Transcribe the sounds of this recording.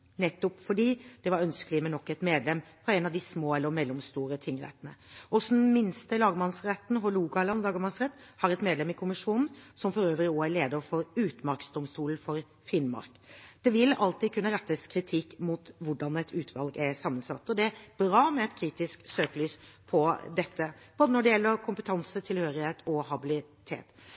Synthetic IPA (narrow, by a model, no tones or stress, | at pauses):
nɛt̪ːʊpfɔɖiːd̪̥ɛʋɑɾœnskəlɪmɛnɔkːɛt̪meːd̪lɛmːfɾɔɛɪnɑʋd̪ɪsmoːɛlːəɾmɛlːɔmst̪uːɾət̪ʰɪŋːɾɛ̰t̪ənəʔɔsd̪n̩mɪnst̪əlɑːɡəmɑnsɾɛt̪ːn̩ɦɔluːɡɑlɑnlɑːɡəmɑnsʁɛt̪ːhɑɾɛt̪meːd̪lɛmɪkʰʊmɪʂuːnn̩sɔmfɔɾøːʋəɾɪoːæɭeːd̪əɾfɔɾʉːt̪mɑɾksd̪ɔmst̪uːln̩fɔɾ | fɪnmɑ̰ɾkd̪̥ɛʋɪlɑlt̪iːd̪̚kʰʉnːəɾɛt̪ːəskʰɾɪt̪ʰɪkːmuːt̪ʋʊɖɑnɛt̪ʰʉːt̪ʰʋɑlɡæsɑmːənsɑt̪ːɔd̪ɛæɾbɾɑːmɛɛt̪kʰɾiːt̪ɪsksøːkəlyːspʰɔd̪ɛt̪ʰːəb̥oːd̪ənɔɖɛjɛlːəɾkʰʊmpət̪ʰɑnsət̪ʰɪlhøːɾɪheːt̪ʰɔhɑbɪlɪt̪ʰḛːt̪